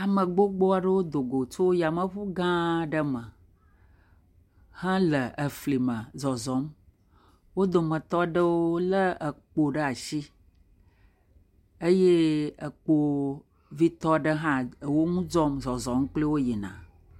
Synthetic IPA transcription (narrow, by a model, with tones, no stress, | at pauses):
a˨mə̃˨ɡ͡bo˦ɡ͡bo˦a˦ɖə˦wo˦d̪o˨ɡo˨t͡ʃo˦ja˨mə˨ɸu˦ɡã˦ɖə˦mə˨ | hã˦lə˨ʔə˨fli˨mə̃˨zɔ˨zɔ˨˦m | wo˦d̪o˨mə̃˨t̪ɔ˦ɖə˦wo˦lə˦ə˨k͡po˨ɖə˦a˨ʃi˦ | ə˦je˦ə˨k͡po˦ | vi˦t̪ɔ˦ɖə˦ɦã˦˨wo˦ŋũ˦d͡ʒɔ˦mzɔ˨zɔ˨˦m˦k͡plə˦wo˦je˨nã̰˨